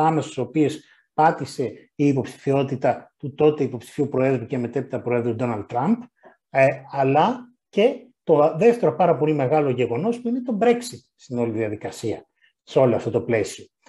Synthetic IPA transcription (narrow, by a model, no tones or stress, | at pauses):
ɐmesɐst̪sopios | pɐt̪ise̞iːpo̞psi̥θio̞t̪it̪ɐt̪ut̪o̞t̪e̞ipo̞psi̥fiupɾo̞e̞ðɾuceme̞t̪epit̪ɐpɾo̞e̞ðɾud̪o̞nɐld̪̚t̪ɾɐmp | ɐlɐ | ce̞t̪o̞ðe̞ft̪e̞ɾopɐɾɐpo̞lime̞ɣɐloʝe̞ɣo̞no̞spuinet̪o̞bɾe̞ksit̪̚st̪ino̞liðiɐðikɐsiɐ | seo̞loɐft̪o̞t̪o̞ple̞sio̞